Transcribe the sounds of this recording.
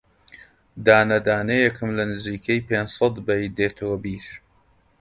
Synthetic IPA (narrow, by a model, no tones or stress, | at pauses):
d̪aːnɐd̪aːnejɛkʰɨmlɐnɨziːkʰejpeːnd͡ʒsɐt̪bɐjd̪eːt̪ʰoːbiːɾ